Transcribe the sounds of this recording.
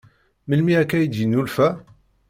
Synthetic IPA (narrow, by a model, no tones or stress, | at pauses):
məlmiækːæjid̪jənːulfæ